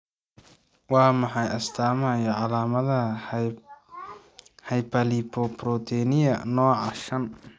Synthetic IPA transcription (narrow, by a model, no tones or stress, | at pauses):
wɑːmɑħɑjɐst̪ʰaːmɐɐjɐʕɑlaːmɐðɐ | hɐjpʰɐlipʰɔpɾɔt̪ʰɛnɪjɐnɔːʕɑʃɐn